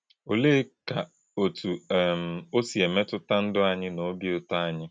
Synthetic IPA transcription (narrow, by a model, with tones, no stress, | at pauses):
o˨leː˦ka˨ | o˨tu˨m̩˨o˦si˨e˨me˦tʊ˦ta˦n̩˦dʊ˦a˨ɲɪ˦no˨˦bi˦ʊ˦ta˦a˨ɲɪ˦